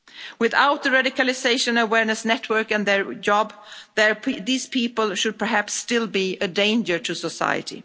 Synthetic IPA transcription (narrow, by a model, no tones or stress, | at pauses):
wɪða̰ʊt̪̚ðɨɹaɾɪkɨlˠɪseɪʃɨ̃nəwɛɹnɨsnɛtʰwɜ˞kɨ̃nðə˞d͡ʒɑbðə˞ðiːz̥pʰipəl̩ˠʃʊd̚pʰə˞ɦæpstɪlˠbiɨdẽɪ̃nd͡ʒə˞tʰɨsəsa̰ɪɨ̰ɾḭ